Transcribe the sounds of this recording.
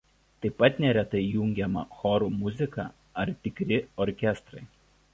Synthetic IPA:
t̪ɐɪpːɐt̪nʲɛɾʲɛt̪ɐɪjʊŋʲɡʲɛmɐ̰xɔɾuːmʊzʲɪkɑ̰ | ɐɾt̪ʲɪkɾʲɪɔɾʲkʲɛst̪ɾɐɪ

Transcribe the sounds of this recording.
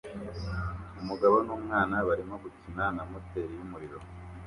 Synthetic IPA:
umuɡaβo̞numŋaːnaβaɾimo̞ɡucinanamote̞ɾijumuɾiɾo̞

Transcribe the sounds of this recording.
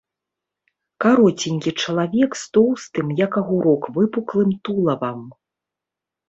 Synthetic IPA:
kaɾɔt͡sʲinʲkʲit͡ʂɐlˠavʲɛkst̪ɔwst̪ɨmjɐkɐɣuɾɔkvɨpuklˠɨmt̪ulˠɐvɐm

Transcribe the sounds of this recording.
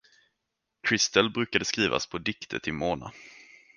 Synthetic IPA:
kʰɾɪst̪əlbɾʉ̟ːkad̪əskɾiːva̰spʰɔd̪ɪkt̪ʰə̰t̪ʰɪmoːna̰

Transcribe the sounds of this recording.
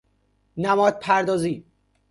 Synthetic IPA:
næmɒːd̪̥̚pʰæɾd̪ɒːziː

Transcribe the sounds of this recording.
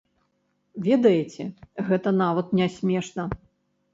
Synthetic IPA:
vʲɛd̪ɐjet͡sʲɛɣɛt̪ɐnavɐt̪̚nʲasʲmʲɛʂnɐ

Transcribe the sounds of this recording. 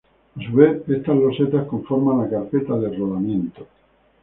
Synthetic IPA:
suβeest̪azloset̪askõɱfoɾmanakaɾpet̪aðeroðamjẽnt̪o̥

